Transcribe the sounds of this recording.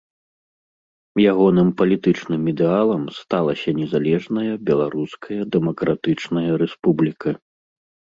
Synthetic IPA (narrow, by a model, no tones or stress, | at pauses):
jaɣɔnɨmpɐlʲit̪ɨt͡ʂnɨmid̪ɛalˠɐmst̪alˠɐsʲɐnʲɛzalʲɛʐnɐjɐbʲɛlˠaɾuskʰɐjɐd̪ɛmɔkɾat̪ɨt͡ʂnɐjɐɾɛspublʲikɐ